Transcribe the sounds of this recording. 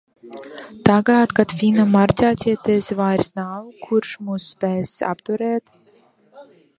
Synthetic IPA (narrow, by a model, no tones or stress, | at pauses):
t̪aɡaːt̪kat̪fʲinamaɾt̪ʲaːt̪ʲiɛt̪ɛsvajɾsnaːwkʰuɾʃmusːpʲɛːsa̰pt̪uɾɛːt̪